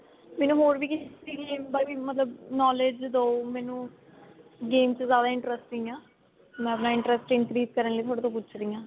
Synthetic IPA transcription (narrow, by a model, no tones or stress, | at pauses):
mɛːnũːɦoːɾʋiːkɪiːlẽːbaːiːmət̪ləbnɔːled͡ʒd̪oːmɛːnũː | ɡeːmt͡ʃzjaːd̪aːɪ̃ɳʈɾəsʈĩːãː | mɛ̃ːəpnãːɪ̃ɳʈɾəsʈɪ̃ŋkɾiːt̪kəɾənləiːt̪ʰoːɽeːt̪õːp̬ʊt͡ʃʰɾiːãː